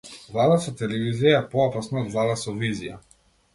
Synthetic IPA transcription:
vlˠad̪asɔt̪ɛlɛvizijaɛpɔɔpasnɔɔd̪vlˠad̪asɔvizija̰

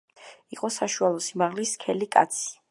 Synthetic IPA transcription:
iqʼɔsaʃualˠɔsimaʁliskʰɛlikʼa̰t̪sʰi̥

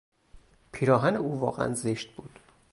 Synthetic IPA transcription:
pʰiːɾɒːɦæneuːvɒːɣḛæ̰nzeʃt̪̚buːd̪̥

